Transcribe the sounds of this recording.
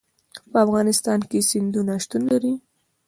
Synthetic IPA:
pəafɣɑnɪst̪ɑnkesɪnd̪unaʃt̪unlaɾi

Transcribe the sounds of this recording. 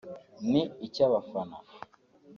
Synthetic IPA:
niit͡ʃaβafana̰

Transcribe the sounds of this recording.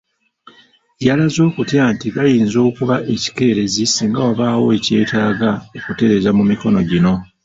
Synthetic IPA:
jalazo̞ːkutjaːntiɡajiːnzo̞ːkuβaʔe̞ci̥ke̞ːɾe̞zisiːŋɡawoβaːwo̞ece̞ːtaːɡaekute̞ɾe̞zamumiko̞no̞ɟino̞

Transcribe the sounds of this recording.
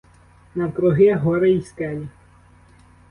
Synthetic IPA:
nɐwkɾɔɦɪɦɔɾeiskɛlʲi

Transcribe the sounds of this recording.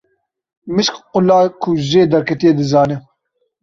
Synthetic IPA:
mɨʃkqʊlaːkʰʊʒeːd̪ɐɾkʰɛt̪ijed̪ɨzaːnɨ

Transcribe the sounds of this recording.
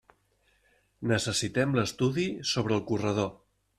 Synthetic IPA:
nəsəsit̪ɛmləst̪uðisoβɾəːlˠkurəð̞o

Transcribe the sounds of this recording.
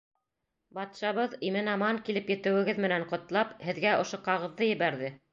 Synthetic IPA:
bɑt̪ʃɑβɤðimɘnɑmɑŋkilɘpjɘ̆t̪ɘ̆wɘ̆ɡɘðmɘ̆næɴqŏt̪lˠɑphɘ̆ðɡæʔŏʃoqɑʁɤ̆ðːɤjɘ̆βæɾðɘ

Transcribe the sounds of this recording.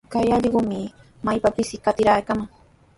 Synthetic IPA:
kajɑʎɢʊmɪ | majpapɪsɪkat̪ɪɾaːkamaŋ

